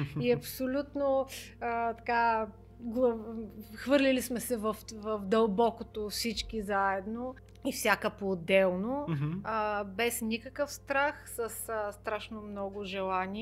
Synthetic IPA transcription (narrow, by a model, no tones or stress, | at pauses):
iɐpsolʲut̪no | ət̪ɐka | ɡlˠ | xvɤɾlʲilismɛsɛvəfvəfd̪əlˠbɔkot̪ofsit͡ʃkizaɛd̪no | ifsʲakəpoːd̪ːɛlˠnoəbɛsnʲikəkəfst̪ɾaxsəsəst̪ɾaʃnomnɔɡʊʒɛlˠanʲiɛ